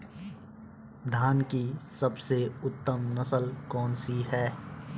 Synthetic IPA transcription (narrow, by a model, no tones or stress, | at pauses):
d̪ʱaːnkisɐbseʊt̪ːəmnɐsəlkɔːnsiɦɛː